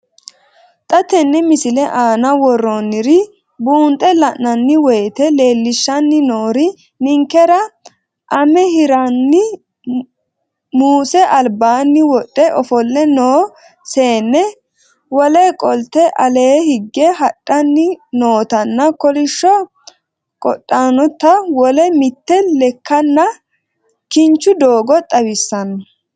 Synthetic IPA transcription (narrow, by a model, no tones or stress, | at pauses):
t̪ʼɐt̪ɛnːɛmɪsɪlɛʔaːnɐwɔrːɔnːɪɾɪ | buːnt̪ʼɛlɐʔnɐnːɪwɛjt̪ɛleːlːɪʃːɐnːɪnoːɾɪ | nɪŋkːɛɾɐ | ʔɐmɛɦɪɾɐnːɪ | muːsɛʔɐlbaːnːɪwɔɗʼːɛʔɔfɔlːɛnoː | seːnːɛ | wɔlɛkʼɔlt̪ɛʔɐleːhɪɡːɛɦɐtʼːɐnːɪnoːt̪ɐnːɐkɔlɪʃːɔ | kʼɔ̰ɗʼːaːnɔt̪ɐwɔlɛmɪt̪ːɛlɛkːɐnːɐ | kɪnt͡ʃːʊd̪oːɡɔt̪ʼɐwɪsːɐnɐ